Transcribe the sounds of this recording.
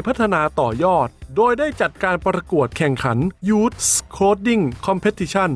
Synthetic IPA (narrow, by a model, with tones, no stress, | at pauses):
jpʰa˦˥t̪ʰːa˧naː˧t̪ɔː˨˩jɔː˥˩t̪̚doː˧jdaː˥˩jt͡ɕa˨˩t̪̚kaː˧npɾa˧ku˨˩ət̪̚kʰɛ˨˩ŋkʰa˩˦njuː˦˥t̪̚skʰoː˦˥t̪̚di˥˩ŋkʰɔ˧mpʰe˦˥t̪ʰːi˧t͡ɕʰa˥˩n